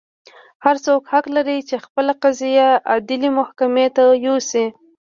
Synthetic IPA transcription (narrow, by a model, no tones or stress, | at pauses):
haɾsokhaqlaɾit͡ʃexpəlaqazijaad̪ɪlimʊhkamet̪ajosi